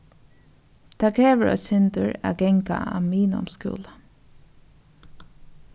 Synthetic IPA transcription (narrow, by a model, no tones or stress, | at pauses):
t̪ʰaːkʰɾeːʋəɹʔɔ̰sʏnt̪ʊɹaɡɛŋka̰a̰miːnʊ̰mskṵːlə